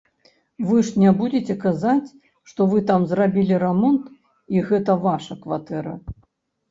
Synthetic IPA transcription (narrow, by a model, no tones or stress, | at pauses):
vɨʂnʲabud͡zʲet͡sʲɛkazat͡sʲ | ʂt̪ɔvɨt̪amzrabʲilʲiɾɛmɔnt̪ | iɣɛt̪ɐvaʂɐkvat̪ɛɾɐ̰